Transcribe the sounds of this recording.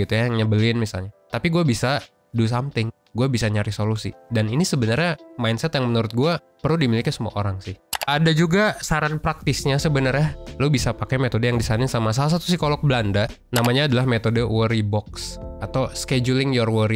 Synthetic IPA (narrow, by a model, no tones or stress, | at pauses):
it̪ujaŋɲəbəlɪnmisa̰lɲat̪apiɡuabisa | dus̬amt̪ɪŋ | ɡuabisaɲaɾisolusḭdaninisəbənərɲamajnsɛt̪jaŋmənuɾʊt̪̚ɡua | pərludimilikisəmua̰ʔoɾaŋsɪhʔadad͡ʒuɡasaɾanpɾak̚t̪ɪsɲasəbənərɲalubisapakajmet̪odəjaŋdisanɪnsamas̬alas̬at̪u̥sihkolɔk̚bəlanda | namaɲaːdalahmet̪odəwəɾibɔksat̪awsked͡ʒulɪŋjɔrwəɾi